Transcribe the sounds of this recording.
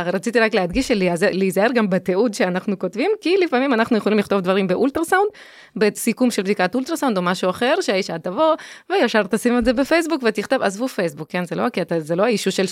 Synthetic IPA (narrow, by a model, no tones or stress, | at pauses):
ʁat͡sit̪iʁaklead̪ɡiʃeleazeleizaeʁɡambet̪eud̪ʃe̞anaχnuko̞tvimkilifamimanaχnujeχo̞limliχt̪o̞vd̪vaʁimbeʔult̪ɾasawnd̪ | besikumʃelbd̪ikat̪ult̪ɾasawnd̪omaʃuaχe̞ʁʃeaiʃat̪avo̞vejaʃaʁt̪asimeze̞befe̞js̬bukvet̪iχt̪o̞vazvufe̞jsbukːenzelo̞akiat̪azelo̞aiʃuʃel